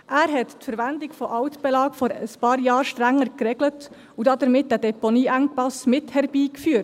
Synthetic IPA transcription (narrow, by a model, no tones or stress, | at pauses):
ʔæːɾɦɛttfəɾʋændɪɡfɔʔɑʊt̪b̥ɛlɑːkfɔɾəspɑːɾjɑːɾʃtɾæŋːəɾkɾɛɡlət | ud̥ɑd̪əɾmɪt̚d̥ædɛpɔniːʔæŋpɑsmɪthɛɾb̥iːkfyːt